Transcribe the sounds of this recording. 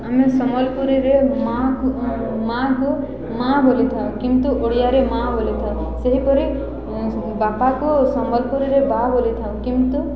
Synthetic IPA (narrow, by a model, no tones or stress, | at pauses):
amesɔmɔlpuɾiɾemak | mãko | mãbʱolet̪ʰaũkimt̪uʔoɽijaɾemãbolet̪ʰae | seɦipɔɾe | bapakosɔmɔlpuɾiɾebabolit̪ʰaũkimt̪u